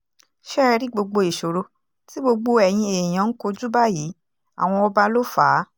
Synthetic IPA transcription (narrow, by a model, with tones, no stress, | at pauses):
ʃɛ˦˧ɾi˦ɡ͡bo˧ɡ͡bo˧i˨ʃo˨ɾo˧ | ti˦ɡ͡bo˧ɡ͡bo˧ɛ˨j̃ĩ˧e˨j̃ã˨˦n̩˦ko˧d͡ʒu˦ba˦ji˨˦ | a̰˨w̃ɔ̃˧ɔ˧ba˦lo˦faː˨˦